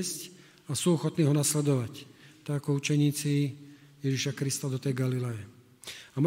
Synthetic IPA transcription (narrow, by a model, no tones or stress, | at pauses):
sc | asuːɔxɔt̪niːɦɔnaslɛd̪ɔʋact̪aɡakɔut͡ʃɛɲiːt͡sijɛʒiʃakɾist̪ad̪ɔt̪ɛjɡalilɛjɛ | am